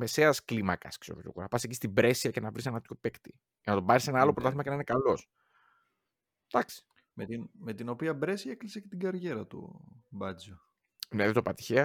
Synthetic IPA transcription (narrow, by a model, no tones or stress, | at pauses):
me̞se̞ɐsklimɐkɐ̰skseopot̪ʰʲo̰ɣonɐpɐsecist̪ibɾe̞siɐcenɐvɾise̞nɐt̪ço̞pe̞kt̪i | ʝenɐt̪o̞bɐɾisenɐɐlo̞pɾot̪ɐθimɐcenɐinekɐlo̞s | d̪̥ɐksi̥ | met̪inme̞t̪ino̞piɐbɾesiɐeklisecet̪iɡɐɾʝe̞ɾɐt̪ṵbɐd͡zo | neðet̪opɐt̪i̥çeɐ